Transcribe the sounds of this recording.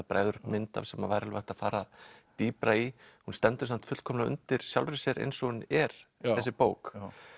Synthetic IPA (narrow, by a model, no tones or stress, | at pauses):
apɾa̰jðʏɾʏmɪnt̪a̰v̥sɛmːavajɾalvaht̪aðfaːɾat̪iːpɾaihunst̪ɛnt̪ʏ̥samt̪fʏt̪kʰɔmlaʏ̰nt̪ɪɾ̥sjawlɾɪsjɛɾʔḛjnsɔʏnɛɾ̥θɛsɪpoːwk